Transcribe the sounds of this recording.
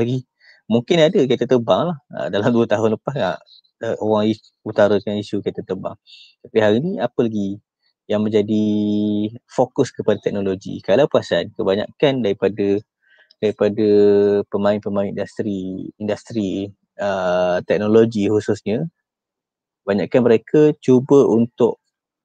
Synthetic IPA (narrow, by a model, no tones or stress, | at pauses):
laɡi | muŋkɪnadəkat̪ət̪əbaŋlahə̰dalamduət̪aɦʊnləpaska | əʔowaŋi | ut̪aɾakanisukajt̪ət̪əba̰ŋt̪apiɦaɾiniapəlaɡi | jaŋmə̃ɲd͡ʒadi | fokʊskəpadat̪ɛk̚noloɡḭkalawpuasankəbaɲa̰kandaɾipadə | d̥aɾipadəpəmãɪnpəmaɪnindast̪ɾiːndast̪ɾi | ət̪ɛk̚noloɡihusʊsɲə | baɲa̰ʔkanməɾekʰət͡ʃubəunt̪ʊʔ